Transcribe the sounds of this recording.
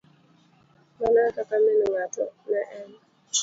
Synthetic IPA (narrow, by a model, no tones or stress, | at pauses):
manakakamɛnɔŋatɔnaʔɛn